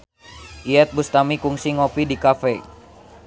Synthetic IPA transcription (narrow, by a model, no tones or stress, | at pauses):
ʔiɛt̪̚bust̪amikuŋsiŋɔpidikafɛ